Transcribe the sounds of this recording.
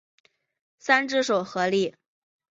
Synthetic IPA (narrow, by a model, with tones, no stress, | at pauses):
sa˥nʈ͡ʂɻ̩˥˩ʂo˨˩ʊxɤ˧˥li˥˩